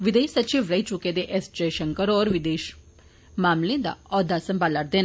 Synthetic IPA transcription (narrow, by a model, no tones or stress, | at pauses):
ʋɪd̪eːʃsət͡ʃiːʋɾəit͡ʃʊked̪eʔɛsd͡ʒəjʃəŋkəɾɔːɾʋɪd̪eːʃ | maːmlẽd̪a̰ɔːd̪asəmbaləʈd̪eːn